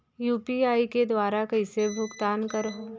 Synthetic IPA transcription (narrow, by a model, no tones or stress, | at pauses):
juːpiaːiked̪waːɾakɐisebʱʊɡt̪aːnkɐɾɦoː